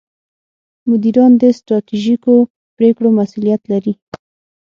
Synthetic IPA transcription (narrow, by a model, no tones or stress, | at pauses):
mʊd̪iɾɑnd̪əst̪ɾɑt̪iʒiko | pɾekɽomasulijat̪laɾi